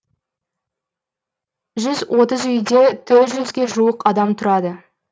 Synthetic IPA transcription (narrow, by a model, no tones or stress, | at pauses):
ʒʏzwʔo̞t̪əzʏjd̪e̞t̪ʰʏʒʏzɡʲe̞ʒuwəqɑd̪ɑmt̪ʰʊɾɑd̪ə